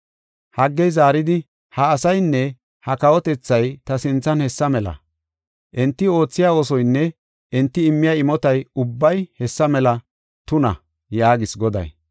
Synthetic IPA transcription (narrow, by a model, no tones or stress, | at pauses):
hɐɡːɛjzaːɾɪd̪ɪ | hɐːsɐjnːɛ | hɐkɐwɔt̪ɛt͡sːɐjt̪ɐsɪnt͡sːɐnhɛsːɐmɛlɐ̰ | ʔɛnt̪ːɪo̞ːt͡sːɪjaːoːsɔjnːɛ | ʔɛnt̪ːɪɪmːɪjaːɪmɔt̪ɐjʊbːɐjhɛsːɐmɛlɐ | t̪ʊnɐ̰ | jaːɡɪsɡɔd̪ɐ̰j